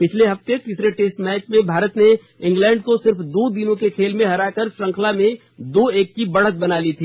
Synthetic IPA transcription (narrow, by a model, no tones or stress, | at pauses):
pɪt͡ʃʰleɦɐft̪et̪iːsɾeʈeːsʈmɛːt͡ʃmẽbʱaːɾət̪ne | ɪ̃ŋɡlɛ̃ːɳɖkosɪɾfd̪oːd̪ɪnõkekʰeːlmẽɦɐɾaːkəɾʃɾɐ̃ŋkʰlamẽ | d̪oːeːkːibɐɽ̤ət̪̚bɐnaːlit̪ʰiː